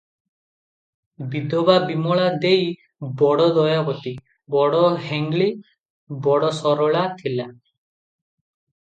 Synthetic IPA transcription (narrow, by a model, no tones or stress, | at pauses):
bid̪ʱɔbabimɔɭad̪ej | bɔɽɔd̪ɔjabɔt̪i | bɔɽɔɦeŋɡɭi | bɔɽɔsɔɾɔɭat̪ʰila